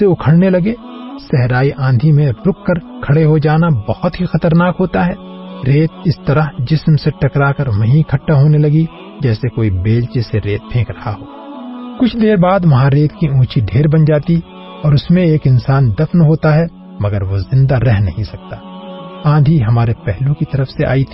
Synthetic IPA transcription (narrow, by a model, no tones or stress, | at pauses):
seʊkʰəɽnelɐɡe | sɛɦɾaːiʔãːd̪ʱimẽɾʊkʰːəɾkʰɐɽeɦod͡ʒaːnabɐhʊt̪ɦixɐt̪əɾnaːkɦoːt̪aɦɛː | ɾeːt̪̚ʰɪst̪ɐɾəɦd͡ʒɪsmseʈɐkɾaːkəɾmɐɦĩkʰɐʈːaɦoːnelɐɡi | d͡ʒɛːsekoːibeːlt͡ʃeseɾeːt̪̚pʰẽːkɾɐhaɦoː | kʊt͡ʃʰd̪eːɾbaːd̪ʋɐɦãɾeːt̪ʰkiũːt͡ʃʰiɖʱeːɾbɐnd͡ʒaːt̪i | ɔːɾʊsmẽeːkɪnsaːnd̪ɐfnɦoːt̪aɦɛ | mɐɡəɾʋozɪ̃nd̪aɾɛɦnɐ̰ɦĩsɐk̚t̪aːãːnd̪ʱiɦɐmaːɾepɛɦlũkit̪ɐɾəfseʔa̰ːit̪ʰi̥ː